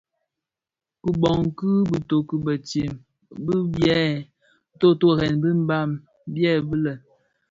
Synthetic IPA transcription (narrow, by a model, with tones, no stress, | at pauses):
ku˨bɔ˨ŋ˨kɨ˦bi˨to˨ku˨bə˨te˨m | bi˦bjɛ˦˨˦ | to˦to˦˨ɣɛ˨nbi˦m̩˦ba˦˨m | bjɛ˦˨bi˦lə˨